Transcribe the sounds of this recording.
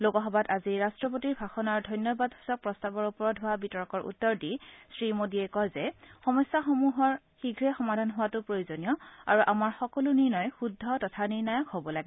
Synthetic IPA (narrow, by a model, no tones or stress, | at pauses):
lokɔɦɔbataziɹastɹɔp̬otiɹbʱaxɔnaɹdʱɔjnjɔbadɦusɔk̚pɹɔstabɔɹupɔɹɔdɦʊwabitɔɹkɔɹʔṵtːɔɹdisɹimodiɛkɔjzɛxɔmɔsjaxomuɦɔɹ | xiɡʱɹɛxɔmadʱanɦʊwatʊpɹojuzonijɔa̰ɹuʔamaɹxɔkɔluniɹnɔjxudʱːɔtɔtʰaniɹnajɔkhobɔlaɡɛ